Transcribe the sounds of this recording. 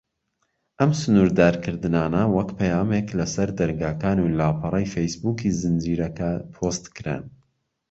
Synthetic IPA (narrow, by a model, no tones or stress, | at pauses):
ʔɐmsʊnuːɾd̪aːɾkʰɨɾd̪ɨnaːnɐwɐkpʰɐjaːmeklɐsɐɾd̪ɐɾɡaːkaːnulaːpʰɑɾˤɛjfejsbuːkizɨnd͡ʒiːɾɐkapʰost̪kɨɾɛ̰n